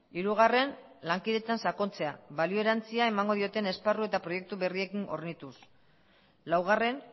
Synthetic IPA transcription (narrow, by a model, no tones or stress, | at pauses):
iɾuɣare̞n | laŋkiðe̞t̪ansako̞nt͡se̞aβalioe̞ɾant͡siae̞maŋɡo̞ð̞io̞t̪e̞ne̞sparue̞t̪apɾo̞je̞k̚t̪uβe̞rie̞kino̞̰ɾnit̪us | lawɣ̞are̞n